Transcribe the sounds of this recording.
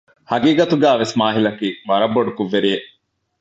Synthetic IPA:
hɐɡiːɡɐt̪uɡæːʋesmaːɦilɐkiːʋɐɾɐbːoɖukuʋːeɾije

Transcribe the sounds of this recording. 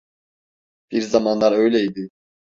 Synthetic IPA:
b̥iɾzamanlˠaɾø̞jlʲɛid̪ɪ

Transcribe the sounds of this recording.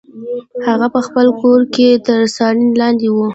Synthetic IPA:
haɣapəxpəlkoɾket̪əɾsɑlinlɑnd̪ewu

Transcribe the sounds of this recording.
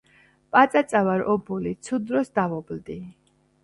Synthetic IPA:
pʼat̪sʼat̪sʼavaɾɔbulit̪sʰud̪ɾɔsd̪avɔbld̪i

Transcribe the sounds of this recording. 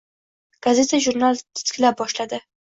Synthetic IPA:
ɡ̥azet̪aʒʊɾnalt̪ʰḁskʲɪlabːɒʃlad̪ɪ

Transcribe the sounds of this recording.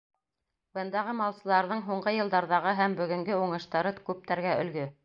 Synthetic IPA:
bɤ̆nd̪ɑʁɤmɑlˠsɤ̆lˠɑɾðɤɴɦuɴɢɤjɤ̆lˠd̪ɑɾðɑʁɤɦæmbɵ̆ɡɵ̆ŋɡɵuɴɤ̆ʃt̪ɑɾɤkʉp̚t̪æɾɡæɵ̆lɡɵ

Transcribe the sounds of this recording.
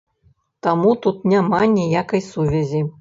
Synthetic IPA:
t̪amut̪ut̪nʲamanʲijakɐjsuvʲɛzʲi

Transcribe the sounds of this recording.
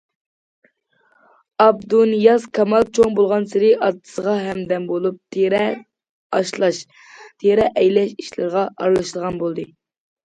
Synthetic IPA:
ɑb̚d̪unjɑskʰɑmɑlˠt͡ʃʰoŋbolˠʁɑnsɪɾɪʔɑt̪ʰːɨ̥səʁɑɦɛmd̪ɛmbolˠup̚t̪ʰeɾɛ | ɑʃlˠɑʃ | t̪ʰeɾɛʔɛjlɛʃiʃlɪ̰ɾʁɑʔɑɾlˠɑʃlˠəʁɑnbolˠd̪ɨ

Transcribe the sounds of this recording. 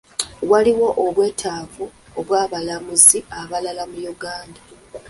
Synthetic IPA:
waliwo̞ʔoβwe̞ːtʰaːvuoβwaːβalamuziaβalalamujuɡaːnda

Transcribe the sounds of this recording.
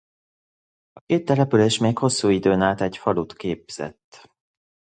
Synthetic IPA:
ɒkeːt̪ːɛlɛpyleːʃmeːkho̞sːuːid̪øːnaːt̪ɛcfɒlut̪keːbz̥ɛ̰t̪ː

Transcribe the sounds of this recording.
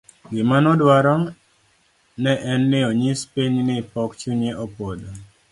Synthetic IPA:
ɡɪmanɔdwaɾɔŋ | nɛʔɛnːɪoɲɪspeɲnɪpɔkt͡ʃuɲeʔopod̪o

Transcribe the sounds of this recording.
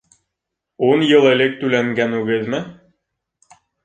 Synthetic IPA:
unjɤlˠɘ̆lɘk̚t̪ʉlæŋɡænʉɡɘðmɘ

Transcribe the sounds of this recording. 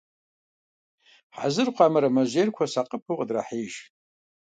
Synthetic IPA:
ħa̰zɨrqʷʰamɐɾɐmɐʒʷejrkʷʰɐsaqʼəpʰɨʁʼədra̰ħiːʒ

